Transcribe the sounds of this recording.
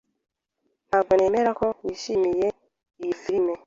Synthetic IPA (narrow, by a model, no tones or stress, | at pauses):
aɡɔnemeɾakɔisimije | ifiɾime